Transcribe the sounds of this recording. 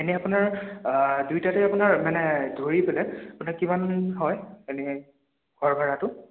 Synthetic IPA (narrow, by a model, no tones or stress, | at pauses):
enɛapʊnaɹ | dujtatɛapʊnaɹmanɛdʱoɹipɛlɛapʊnaɹkimanɦɔjenɛ | ɡʱɔɹbʱaɹatʊ